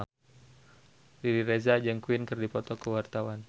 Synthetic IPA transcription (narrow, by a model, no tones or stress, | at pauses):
riɾiɾezad͡ʒəŋkuwɪnkərdipɔt̪ɔkəwart̪awan